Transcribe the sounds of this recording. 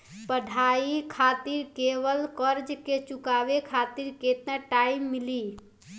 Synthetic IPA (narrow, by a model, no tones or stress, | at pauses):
pəɖʱaikʰat̪iɾkeβəlkəɾd͡ʒket͡ʃukabekʰat̪iɾket̪nəʈaimːili